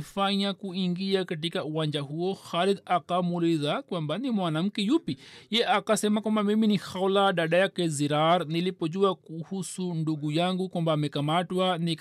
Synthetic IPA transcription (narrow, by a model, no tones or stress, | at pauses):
faɲakuiŋɡiakat̬ikauwand͡ʒahuɔxalid̪akamuliðakwambanimwanam̩kɛjupijɛʔakasɛmakwambamiminixaulaɗaɗajakɛziɾaɾnilipɔʄuakuhusunduɡujaŋɡukwambaːmɛkamatwanik